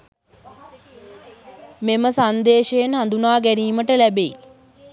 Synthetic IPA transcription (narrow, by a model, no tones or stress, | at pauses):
meməsand̪eːʃejenɦand̪unaːɡæniːməʈəlæbei